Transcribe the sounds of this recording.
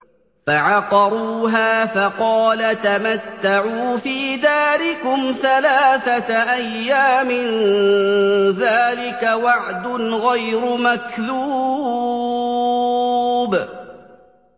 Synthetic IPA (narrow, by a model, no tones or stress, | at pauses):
faʕɑqɑɾˤuːɦaːfɑqɑːlat̪amat̪ːaʕuːfiːd̪aːɾɪkʊmθalaːθat̪ʔajːaːmɪn | ðaːlɪkawaʕd̪ʊnɣajɾʊmakluː | b